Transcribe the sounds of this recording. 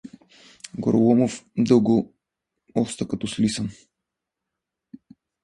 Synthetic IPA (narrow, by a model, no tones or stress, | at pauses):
ɡo̰ɾolˠomofd̪ɤlˠɡo | ɔst̪əkɐt̪ɔslisəm